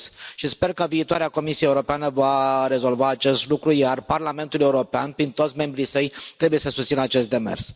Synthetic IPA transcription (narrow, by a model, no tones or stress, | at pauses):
sʃispe̞rkəviːt̪oa̰ɾeako̞misieuɾo̞peanəvaɾe̞zo̞lvaːt͡ʃe̞st̪lukɾujarparlame̞nt̪ule̞uɾo̞pea̰npɾint̪o̞t̪sʲme̞mbɾisəjt̪ɾebuje̞səsust̪sinəat͡ʃe̞st̪̚d̪e̞mḛrs